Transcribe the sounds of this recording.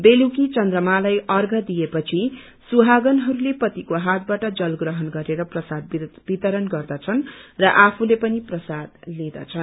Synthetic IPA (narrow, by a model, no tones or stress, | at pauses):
belukit͡sʌnd̪rʌmalʌjʌrɡʱʌd̪ijepʌt͡sʰi | suɦaɡʌnɦʌɾulepʌt̪ikoɦat̪̚baʈʌd͡zʌlɡrʌɦʌnɡʌɾeɾʌprʌsad̪̚b̥it̪ʌɾʌnɡʌrd̪ʌt͡sʰʌnrʌʔapʰulepʌniprʌsad̪led̪ʌ̰t͡sʰʌn